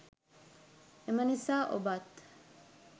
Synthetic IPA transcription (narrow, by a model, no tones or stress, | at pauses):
emɐnisaːʔo̰bat̪